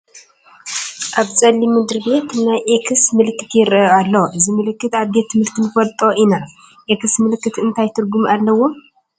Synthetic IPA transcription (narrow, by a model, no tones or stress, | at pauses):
ʔaβt͡sʼɐlːimɨd̪ɨɾbe̞t̪najʔekʰɨsmɨlɨkːɨt̪ʰjɪɾɐalːoʔɨzimɨlɨkːɨt̪aβd̪et̪ʰːɨmhɨɾt̪ʰɨnfɐlt̪ʼo̞ʔina | ʔekʰɨsmɨlɨkːɨt̪ɨnt̪ʰajt̪ʰɨɾɡumalːɐwːo̞